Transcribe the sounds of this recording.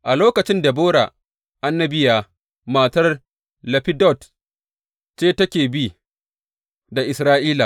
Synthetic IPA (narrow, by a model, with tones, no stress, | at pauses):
ʔa˨loː˦kɐ˨t͡ʃɪ˦nda˨boː˦ɽa̰˨ | ʔa˦nːɐ˦bɪ˦jaː˨ | maː˨tɐ˦r | lɐ˨ɸɪ˦dɔ˦˨t | t͡ʃeː˦tɐ˦kʲeː˨bi˦ | da˨ʔɪ˨sɾaː˦ʔiː˦la˨